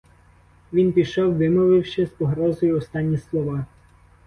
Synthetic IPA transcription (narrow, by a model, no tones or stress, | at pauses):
ʋʲinpʲiʃɔwʋɪmɔʋɪwʃɛzpɔɦɾɔzɔjʊɔst̪ɑnʲːislˠɔʋɑ